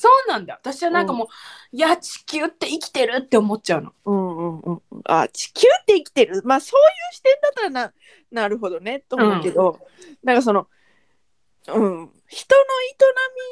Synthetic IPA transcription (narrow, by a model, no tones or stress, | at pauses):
so̞ːnãnd̪a̰at̪aɕiβanãŋkamo̞ːjat͡ɕi̥kʲɨːt̪ːe̞ikʲi̥t̪e̞ɾɯ̟t̪ːe̞omo̞tt͡ɕaɯ̟no̞̰ɯ̟̃ɴɯ̟̃ɴɯ̟̃ɴ̰̃a̰t͡ɕi̥kʲɨːt̪ːe̞ikʲi̥t̪e̞ɾɯ̟maːso̞ːjɯːɕi̥t̪ẽ̞nd̪at̪ːaɾana | naɾɯ̟ɦo̞d̪o̞ne̞t̪ːomõke̞d̪o̞ | nãŋkas̬o̞no̞ | ɯ̟̃ɴ | çi̥t̪o̞no̞it̪o̞namʲi